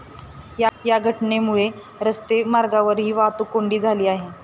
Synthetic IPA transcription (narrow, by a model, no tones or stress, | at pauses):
jajaɡʱəʈnemuɭe | ɾəst̪emaɾɡaʋəɾɦiːʋaɦt̪uːkoɳɖiːd͡zʱaliːaɦe